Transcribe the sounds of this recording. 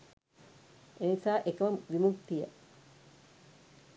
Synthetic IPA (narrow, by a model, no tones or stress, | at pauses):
ʔenisaːʔekɐʋɐmʋimukt̪ijə̰